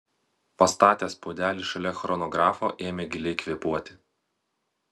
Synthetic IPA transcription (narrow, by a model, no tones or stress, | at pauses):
pɐst̪ɑːt̪ʲeːspoːd̪ʲæːlʲiːʃɐlʲɛxɾɔnɔɡɾɑːfoʔeːmʲeɡʲɪlʲɛɪkʋʲiɛpuɔt̪ʲɪ